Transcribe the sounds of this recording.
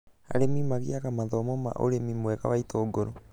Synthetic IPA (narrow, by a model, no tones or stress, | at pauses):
a̰ɾemimaɣiakamaðɔmoma̰ʔo̰ɾemimoeka̰βaitʰoːɡoɾo